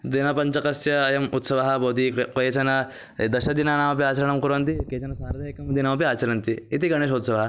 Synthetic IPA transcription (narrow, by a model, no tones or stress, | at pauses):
d̪inapɐɲt͡ɕɐkɐsjɐːjɐmut̪sɐʋaɦabod̪ikojet͡ɕɐna | d̪ɐɕɐd̪inanaʋp̬iat͡ɕɐɾɐɳɐmkuɾont̪iket͡ʃɐnasaɾd̪ɐekɐmd̪ʱinaʋpiat͡ɕɐɾɐnt̪iit̪iɡɐɽ̃eːʃot̪sɐʋɐɦa